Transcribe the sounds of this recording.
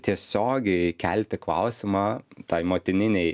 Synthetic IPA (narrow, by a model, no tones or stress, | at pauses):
t̪ʲiɛsʲoːɡʲɛkʲælʲt̪ʲɪklˠɐ̰ʊsʲɪmɑːt̪ɐɪmoːt̪ʲɪnʲɪnʲɛɪ